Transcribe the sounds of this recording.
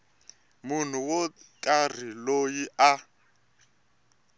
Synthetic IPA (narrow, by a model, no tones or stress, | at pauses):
mun̤uwɔkʼar̤ilojiʔa